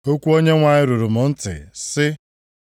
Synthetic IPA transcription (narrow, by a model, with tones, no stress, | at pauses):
o˦kʷu˦o˦ɲe˦ŋʷa˨ɲɪ˦ɾu˨ɾʊ˨mʊ˨n̩˦tɪ̰˨sɪ˦